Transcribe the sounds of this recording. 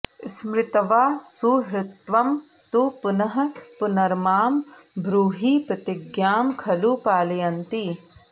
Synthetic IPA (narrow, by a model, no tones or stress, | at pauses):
ɪsmɾɪt̪ɐʋaːsuɦɾɪt̪ʋɐm | t̪upʊnɐɦɐ̆pʊnɐɾmaːm | bɾuːɦiːpɾɐt̪ɪɡjaːmkʰɐluːpaːlɐjɐnt̪i